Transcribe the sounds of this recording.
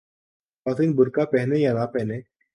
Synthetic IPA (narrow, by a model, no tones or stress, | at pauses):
ɔt̪ʰinbʊɾkapɛɦnejanapɛɦne